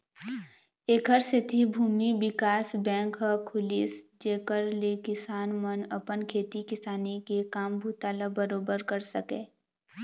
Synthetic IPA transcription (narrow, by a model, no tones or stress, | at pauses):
eːkəɾset̪ʰibʱuːmibɪkaːsbɛ̃ːŋkɦəkʰʊlḭːsd͡ʒeːkəɾlekɪsaːnmənɐpənkʰeːt̪ikɪsaːnikekaːmbʱuːt̪aːlabəɾoːbəɾkəɾsɐkẽː